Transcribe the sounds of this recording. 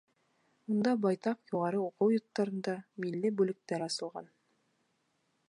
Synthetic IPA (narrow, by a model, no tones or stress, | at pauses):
und̪ɑbɑjt̪ɑqjuʁɑɾɤuqɤwjŏt̪ːɑɾɤ̆nd̪ɑmilːɘbʉlɘ̆k̚t̪æɾɑsɤ̆lˠʁɑ̰n